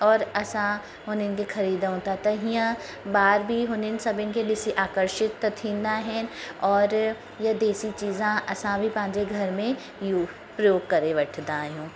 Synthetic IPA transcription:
ɔːɾɐsã | ɦonɪnkexɐɾiːd̪ɦõːt̪at̪ɐɦĩjã | baːɾbʱiɦʊnɪnsɐbɪnkedɪsiʔaːkəɾʃɪt̪ːɐt̪ʰĩːnd̪ãɦɛ̃ɔːɾ | jɐd̪eːsit͡ʃiːzãʔɐsãbʱipãːd͡ʒeɡʱɐɾmẽ | juː | pɾɐjoːɡ̚kɐɾeʋɐʈʰd̪ãːjũː

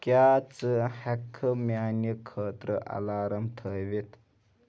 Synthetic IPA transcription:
kjaːt͡sɨhɛkʰːəmjaːnjəkʰːəːt̪ɾəʔɐ̰laːɾɐmt̪ʰəjʋit̪

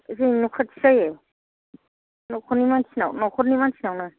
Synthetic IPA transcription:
zenukʰatʰi̥saje | nɔkʰunimansʰinawnɔkʰɔɾnimansʰinawna

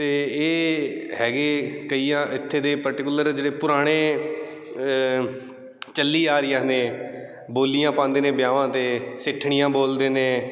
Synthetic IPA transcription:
t̪eːeːɦɛːɡeːkəiːjãːʔɪt̪ʰːeːd̪eːpəɾʈɪkʊləɾd͡ʒeːɽeːpʊɾaːɽ̃eː | t͡ʃəlːiːaːɾɪjãːnẽː | boːlijãːpãːnd̪eːnẽːbjaːʋãːt̪eːsɪʈʰːɳɪjãːboːld̪eːnẽː

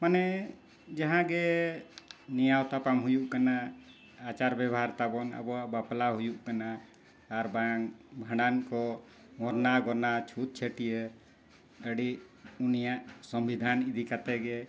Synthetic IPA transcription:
manɛ | d͡ʒaɦãɡɛ | nijawt̪apamɦujuʔkana | at͡ʃaɾbɛbɔɦaɾt̪abɔna̰bɔaʔbaplaɦujuʔkanaː | ɾbaŋbʱaɽankɔ | mɔɾnaɡɔɾnat͡ʃʰut̪̚t͡ʃʰeʈije | əɽiʔunijaʔsɔmbid̪ʱanid̪ʱikat̪ɛɡɛ

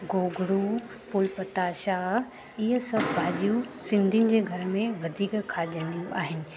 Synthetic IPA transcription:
ɡoːɡɽu | pʊlpɐt̪aːʃaːɦ | ɪɦəsɐbʱbʱaːʄijusɪ̃nd̪ʱinɪ̆d͡ʑeːɡʱɐɾəmẽʋɐd̪ʱiːkkʰaːɗiə̃nd̪ijũʔaːɦɪnɪ̆

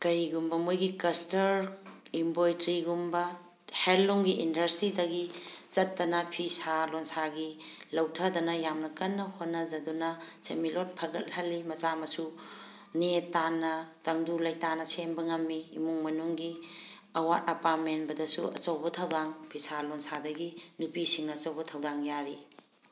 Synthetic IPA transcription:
kɐɾiɡumbɐmojɡikɐstɐɾimbojtɾiɡumbɐ | helːuŋɡiʔindɐɾsidɐɡit͡ʃɐtːɐnɐpʰisalonsaɡi | lɐwtʰɐdɐnɐjamnɐkɐnːɐhonːɐzɐdunɐsemilonpʰɐɡɐt̚hɐlːimɐt͡ʃamɐsu | nietːanːɐtɐŋdulɐjtanɐsembɐŋɐmːiːmuŋmɐnuŋɡi | ɐwat̚ɐpat̚menbɐdɐsuɐ̰t͡ʃɐwbɐtʰɐwdaŋpʰisalonsadɐɡinupisiŋnɐɐt͡ʃɐwbɐtʰɐwdaŋjaɾi

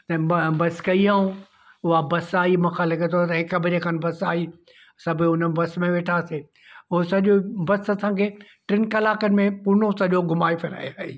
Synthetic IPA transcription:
t̪ɐbɐskɐiaːɦũ | ʊɦabɐsaːimãːkʰãlɐɡət̪ʰot̪ɐɦɪkəbɪɾekʰaːnɪ̆bɐsaːi | sɐbʱɪʊn̤ənbɐsmẽʋeːʈʰaːse | ʊɦosɐʄobɐsɐsãːkʰeː | ʈɾɪnkɐlaːkənɪ̆mẽpuːnosɐʄoɡʊmaːifɪɾa̰ːjaːḛː

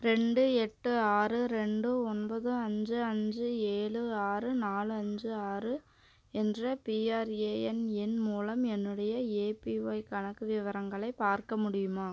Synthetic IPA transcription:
ɾɛɳɖɯɛʈːɯaːɾɯɾɛɳɖɯɔnbɐðɯɐɲd͡ʒɯɐɲd͡ʒɯeːɭɯaːrɯnaːlɯɐɲd͡ʒɯaːɾɯ | ɛndrɐpiːaːɾeːɛnɛnmuːlɐmɛnːɯɽɐjɐeːpiʋɐɪkɐɳɐkːɯʋɪʋɐɾɐŋɡɐɭɐɪpaːɾkɐmʊɽɪjɯmaː

